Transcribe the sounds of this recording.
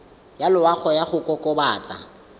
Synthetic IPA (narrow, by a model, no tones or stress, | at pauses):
jalʊwaχɔjaχʊkʼɔkʼɔbaːt͡sʼa̰